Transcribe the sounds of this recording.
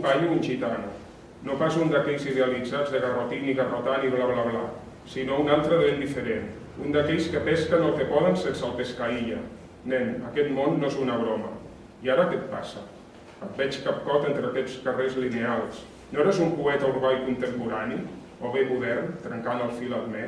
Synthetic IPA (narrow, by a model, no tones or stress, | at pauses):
baʎuunʲʒit̪anu | nopas̬und̪əkɛʎziðeəlid͡zad͡zðəɣərot̪iniɣərot̪aniβlaβlaβla | sinounalˠt̪ɾəðend̪ifəɾen | und̪əkɛʎskəpɛskənəlˠkepɔðənsensəlpeskaiʎə̰ | nɛnəkɛt̪monːoezunəβɾomə̰ | iaɾəkɛt̪̚pasə | ət̪̚bɛt͡ʃkap̚kɔt̪ent̪ɾəkɛt͡skərezlinealˠs | noeɾezumpuɛt̪əuɾβajkunt̪əmpuɾani | oβemuðɛɾt̪ɾəŋkanəlˠfiləlˠmɛ